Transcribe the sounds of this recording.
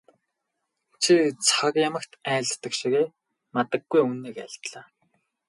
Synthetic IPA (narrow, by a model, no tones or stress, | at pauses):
t͡ɕʰit͡sʰakjamə̆kt̪ʰæːɮt̪ːə̆kʃiɣeː | mat̪ə̆ɡːujunːeːkæ̰ɮt̪ɮaː